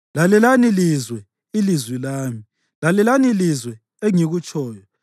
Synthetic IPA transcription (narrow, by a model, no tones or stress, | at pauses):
lalɛlanilizwɛ | ilizwilaːmi | lalɛlanilizwɛ | eŋiɣut͡ʃʼɔːjɔ